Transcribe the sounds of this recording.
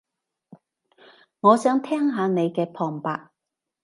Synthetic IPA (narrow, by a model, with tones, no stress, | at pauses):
ŋɔː˨˧sœː˨˥ŋt̪ʰɛː˥ŋɦaː˨˧ne˨˧jkɛː˧pʰɔː˨˩ŋpa̰ː˧k̚